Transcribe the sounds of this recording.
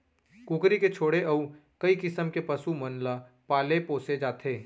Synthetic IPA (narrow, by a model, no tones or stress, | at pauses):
kũːkɾiket͡ʃʰoːɽeʔɐukɐikɪsəmkepɐsumɐnla | paːlepoːsed͡ʒaːt̪ʰeː